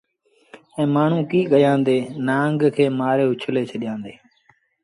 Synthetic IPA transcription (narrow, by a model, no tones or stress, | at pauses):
ɛ̃ːmaːɳ̤ũːkiːɠəjãːnd̪eːnãːŋɡkʰeːmaːɾeːʊt͡ʃʰleːt͡ʃʰəɗɪjãːnd̪eː